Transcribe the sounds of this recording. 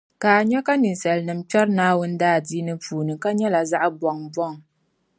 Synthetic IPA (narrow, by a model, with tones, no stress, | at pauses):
kaː˨ɲɛ˦ka˦nɨ˨n˨sɛ˨lnɨ˨m̩t͡ʃɛ˦ɾnaː˦wʊ˦n˦daː˦˨diː˦nɨ˦puː˨nɨ˨ka˦ɲɛ˦la˨za˦ʔbɔ˨ŋbɔ˦ŋ